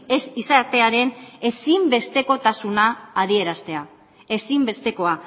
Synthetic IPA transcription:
esisaɾt̪e̞aɾe̞ne̞simbe̞st̪e̞ko̞t̪asunaːðie̞ɾast̪e̞a | e̞simbe̞st̪e̞ko̞a

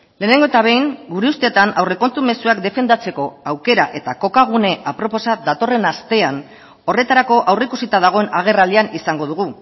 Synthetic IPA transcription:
le̞ːne̞ŋɡo̞et̪aβe̞jŋɡuɾe̞ust̪eːt̪anawre̞ko̞nt̪ume̞suakd̪e̞fe̞nd̪at͡se̞ko̞awke̞ɾaʔe̞t̪ako̞kaɣ̞une̞ʔapɾo̞po̞sad̪at̪o̞re̞nast̪e̞an | o̞re̞t̪aɾako̞ʔawreikusit̪að̞aɣ̞o̞e̞naɣ̞e̞rald̪ianisaŋɡo̞ð̞uɣ̞u

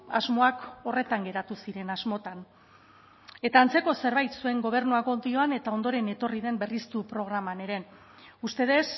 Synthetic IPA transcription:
a̰zmo̞ako̞re̞t̪aŋɡe̞ɾat̪usiɾe̞nazmo̞t̪an | e̞t̪aːnt͡se̞ko̞se̞ɾβajt̪sue̞ŋɡo̞β̞e̞ɾnuaɣo̞nd̪io̞ane̞t̪ao̞nd̪o̞ɾe̞ne̞t̪o̞riðe̞mbe̞rist̪upɾo̞ɣ̞ɾamane̞ɾe̞ | ust̪e̞ð̞e̞s

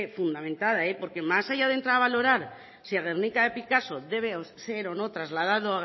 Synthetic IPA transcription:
efund̪amẽnt̪aðaepo̞ɾke̞masaʝað̞e̞nt̪ɾaɾaβalo̞ɾaɾ | siaɣ̞eɾnikaðepikaso̞ðe̞β̞eseɾo̞no̞t̪ɾazlað̞aðoa

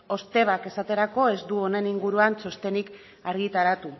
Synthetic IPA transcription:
o̞st̪e̞β̞ake̞sat̪e̞ɾako̞e̞zd̪uone̞niŋɡuɾuanso̞st̪e̞nik | aɾɣit̪aɾat̪u

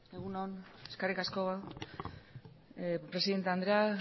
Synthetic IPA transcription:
eɣunoneskarikasko̞βa | pɾe̞siðe̞nt̪eand̪ɾea

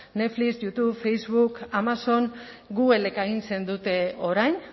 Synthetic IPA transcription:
ne̞flisjut̪uβfejzβukamaso̞n | ɡuɣe̞lekaɣinse̞nd̪ut̪e̞o̞ɾajn

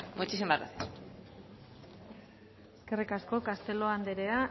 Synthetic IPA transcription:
mut͡ʃisembaɾa̰s | eske̞rikasko̞kast̪e̞lo̞and̪eɾe̞a

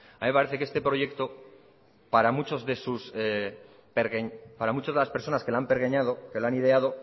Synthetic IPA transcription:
amimpaɾe̞θekee̞st̪e̞pɾo̞ʝe̞kt̪o̞ | paɾamut͡ʃo̞zðe̞sus | peɾɣeɲpaɾamut͡ʃazðelaspe̞ɾso̞naskelampeɾɣeɲað̞o̞ke̞laniðe̞að̞o̞

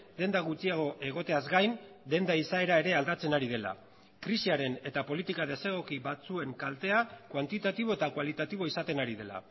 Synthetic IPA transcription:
d̪e̞nd̪aɣut͡siaɣ̞o̞ʔe̞ɣ̞o̞t̪e̞azɡajnd̪e̞nd̪aisae̞ɾae̞ɾe̞ald̪at͡se̞naɾið̞e̞la̰ | kɾisiaɾe̞ne̞t̪apo̞lit̪ikaðe̞se̞ɣ̞o̞kiβat͡sue̞ŋkalt̪e̞akwant̪it̪at̪iβ̞o̞e̞t̪akwalit̪at̪iβ̞o̞isat̪e̞naɾiðe̞la̰

